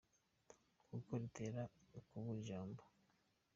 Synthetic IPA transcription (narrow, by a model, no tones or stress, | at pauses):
kukoɾiteɾakuβuʒoːmbo